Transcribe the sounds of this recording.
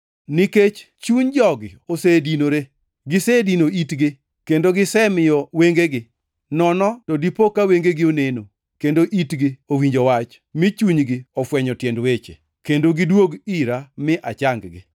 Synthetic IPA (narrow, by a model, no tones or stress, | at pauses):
nɪket͡ʃ | t͡ʃuɲd͡ʒɔɡɪ̰osedinoɾe | ɡɪsedinoitɡɪ | kendoɡɪsɛmɪjɔweŋɡeɡɪ | nɔnɔtɔdipokːaweŋɡeɡɪoneno | kendoʔitɡɪowiɲd͡ʒowat͡ʃ | mɪt͡ʃuɲɡɪɔfwɛɲɔtjɛndwet͡ʃḛ | kendoɡɪdwoɡiɾamɪʔat͡ʃaŋɡɡɪ̰